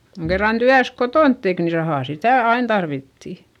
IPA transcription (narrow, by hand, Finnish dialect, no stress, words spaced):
koŋ kerːɑn tyæs kotoˑnt tek ni rɑhɑˑ sitæˑ ɑin tɑrʋitːi